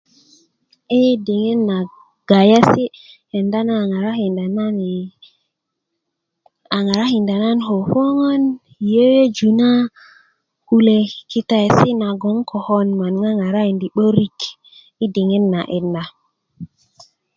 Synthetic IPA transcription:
i˦di˨ŋe˦nːa˨ | ɡ̥a˨ja˦si˦ | he˨nda˦na˦˨ŋa˨ɾa˦hi˨nda˨na˦ni˨ | a˨ŋa˨ɾa˦hi˨nda˨na˦nɦo˨fo˦ŋo˦n˨ | je˦je˦d͡ʒu˨na˦ | ku˨le˨ki˦ta˨jsi˦na˨ɡo˨˦ŋkʰo˨ho˦nma˨nŋa˦ŋa˨ɾa˦i˨ndi˨ɓo˦ɾi˦k | i˦di˨ŋe˦nːa˨ʔe˨nːa˨

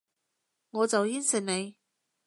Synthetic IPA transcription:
ŋɔː˨˧t͡sɐ˨wjiː˥nsɪ˨˩n̚ne˨˧j

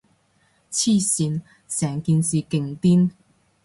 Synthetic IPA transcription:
t͡ɕʰi˥˧ɕi˧˥n | sja˧˩ŋki˧˥nsi˧˩ki˨˩ŋt̪i˥n

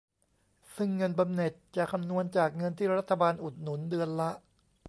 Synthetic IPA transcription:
sɯ˥˩ŋːɤ˧nba˧mne˨˩t̪̚t͡ɕa˨˩kʰa˧mnu˧ənt͡ɕaː˨˩k̚ŋɤ˧nt̪ʰiː˥˩ɾa˦˥t̪ʰːa˧baː˧nʔu˨˩t̪̚nu˩˦ndɯ˧ənla˦˥ʔ

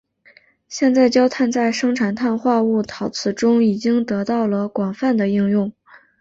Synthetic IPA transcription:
ɕjɛ˥˧nt͡sa˥˩˧ɪt͡ɕjɑ˥ʊt̪ʰa˥˧nt͡sa˥˩ɪʂɤ˥ŋʈ͡ʂʰa˨˩nt̪ʰa˥˧nxwa˥˧u˥˩t̪ʰɑ˧˩˥ʊt͡sʰɹ̩˥˩ʈ͡ʂʊ˥ŋi˨˩t͡ɕi˥ŋt̪ɤ˧˥t̪ɑ˥˩ʊlə˩kwɑ˨˩ŋfa˥˩nd̪ə˩i˥˧ŋjʊ˥˩ŋ

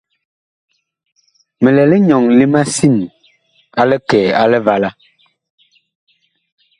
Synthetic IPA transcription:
mɛ˨lɛ˨lɛ˦ɲɔ˨ŋli˦ma˦si˦˨n | a˦lɛ˦kɛː˨a˦lɛ˦va˦la˦

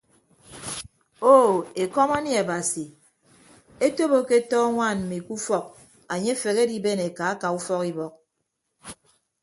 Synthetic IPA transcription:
o˦˨e˨kɔ˦ma˦ni˦a˨ba˨si˨ | e˦to˦bo˦ke˦tɔː˦ŋʷa˦˨nm̩˨mi˨ku˦fɔ˦k̚ | a˨ɲe˦fe˨ke˦di˦be˦ne˨ka˨˦ka˨u˦fɔ˦ki˦bɔ˨k̚

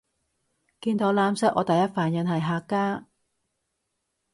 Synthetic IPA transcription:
kiː˧nt̪o˨˧˥laː˧˥msɐ˥ʔɔː˨˧t̪ɐ˨jɐ˥t̚faː˨˩njɐ˨˧nhɐ˨˩jɦaː˨˧kːaː˥

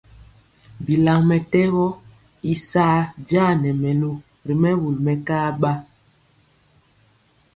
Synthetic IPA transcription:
bi˨la˨ŋmɛ˨tɛ˦ɣɔ˦ | i˨saː˦d͡ʒaː˦nɛ˨mɛ˨lo˨ | ɾi˨mɛ˦wu˨lmɛ˨kaː˦ɓa˦

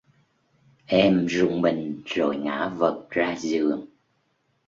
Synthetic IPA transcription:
ʔɛ˧mzʊ˨˩ŋ͡mɓï˨˩ŋ̟zo˨˩jŋa̰ː˧˥və˨˩k̚zaː˧zɨ˨˩əŋ

